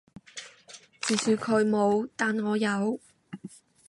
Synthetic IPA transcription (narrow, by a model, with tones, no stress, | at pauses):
t͡siː˨˩syː˨˧kʰɵ˨˧˥ɥmo˨˧wt̪aː˨nŋɔː˨˧jɐ˨˧w